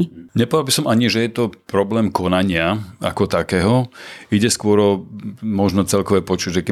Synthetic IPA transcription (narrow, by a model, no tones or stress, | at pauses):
ɲɛpɔʋalbisɔmʔaɲiʒɛjɛt̪ɔpɾɔblɛːmkɔnaɲɪaa̰kɔt̪akɛːɦɔiɟɛskʊɔɾɔmɔʒnɔt͡sɛlkɔʋɛːpɔt͡ʃuɟʒɛkɛ